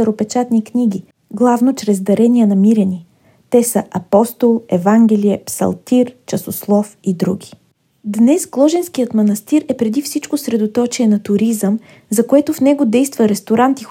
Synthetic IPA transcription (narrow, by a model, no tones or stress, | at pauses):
ɐɾopɛt͡ʃat̪nikniɡi | ɡlˠavnot͡ʃɾɛzd̪ɐɾɛniənɐmiɾɛnʲi | t̪ɛsəʔɐpɔst̪olˠɛvaŋɡʲɛliɛpsɐ̰lˠt̪iɾt͡ʃɐsoslˠɔfid̪ɾuɡ̟i̥ | d̪nɛsɡlˠɔʒɛnskijət̪mɐnɐst̪iɾɛpɾɛd̪ifsit͡ʃkosɾɛd̪ot̪ɔt͡ʃiɛnɐt̪ʊɾizəm | zɐkoɛt̪ofnɛɡod̪ɛjst̪vəɾɛst̪oɾant̪i